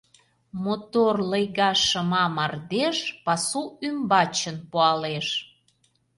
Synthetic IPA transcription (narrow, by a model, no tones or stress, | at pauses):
mot̪orləjɣɑʃəmɑmɑrd̪eʃpɑsuymbɑt͡ɕənpoɑleʃ